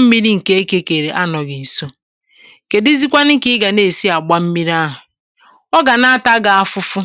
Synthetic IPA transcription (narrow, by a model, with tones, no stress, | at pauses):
m̩˦mi˦ɾi˦ŋ̩˨ke˦e˦ke˦ke˨ɾe˨ʔa˦nɔ˨ɡi˨so˦˨ | ke˨dɪ˦zi˦kʷa˦nɪ˦kɪ˦ɡa˨ne˨si˦a˨ɡ͡ba˦m̩˦mi˦ɾi˦a˦ɦʊ˨ | ɔ˦ɡa˨na˦a˦ta˦ɡa˨a˦fʊ˦fʊ˦